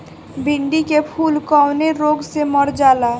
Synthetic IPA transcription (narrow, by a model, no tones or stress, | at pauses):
bɪ̃ɳɖikepʰuːlkɔːʊneɾoːɡseməɾd͡ʒaːlaː